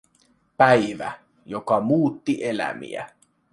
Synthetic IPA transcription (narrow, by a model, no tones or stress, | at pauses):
pæjʋæ̰ | jokɑmuːt̪ːiʔelæ̰mḭæ̰